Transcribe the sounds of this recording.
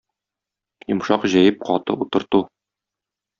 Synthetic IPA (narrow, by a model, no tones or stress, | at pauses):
jŏmʃɑqʑæjɘp̚qɒt̪ɤ̰ut̪ɤ̆ɾt̪u